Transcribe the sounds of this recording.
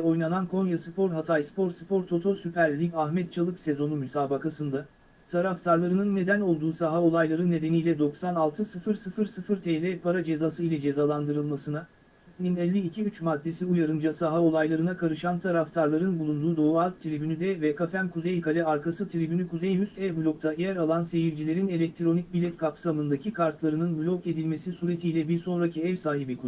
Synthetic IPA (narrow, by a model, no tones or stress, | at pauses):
ɛo̞jnanankʰo̞njasɯpʰo̞ɾɦat̪ʰajspʰo̞ɾsɯpo̞ɾt̪ʰo̞t̪ʰo̞ɾsypæɾlʲiɡaɦmɛt̪̚t͡ʃʰalˠɯkse̞zo̞numysaːbakasɯnd̪a | t̪ʰaɾaft̪ʰaɾlˠaɾɯnɯnːe̞d̪æno̞lˠd̪uːsaɦao̞lˠajlˠaɾɯnːe̞d̪e̞nijlʲɛd̪o̞ksanalˠt̪ʰɯsɯfɯɾsɯfɯɾsɯfɯɾt̪ʰejlʲɛpʰaɾad͡ʒe̞zaːsɯilʲɛd͡ʒe̞zaːlˠand̪ɯɾɯlˠmasɯna | ninɛlʲːiːcʰiyt͡ʃmad̪ːe̞siujaɾɯnd͡ʒasaɦao̞lˠajlˠaɾɯnakʰaɾɯʃant̪ʰaɾaft̪ʰaɾlˠaɾɯnbulˠund̪uːd̪o̞ualʲt̪ʰːiɾebynyd̪ɛvɛkʰafænkʰuzejkʰalʲɛaɾkʰasɯt̪ʰɾebynykʰuzejɦyst̪ɛvblʲo̞k̚t̪ʰajæɾalˠanse̞jiɾd͡ʒilʲe̞ɾine̞lʲɛc̚t̪ʰɾo̞nic̚bilʲɛt̪kʰapsamɯnd̪acʰikʰaɾt̪lˠaɾɯnɯnblʲo̞ke̞d̪ilʲme̞sisuːɾet̪ʰijlʲɛbiɾso̞nɾacʰiɛvsaːɦibikʰu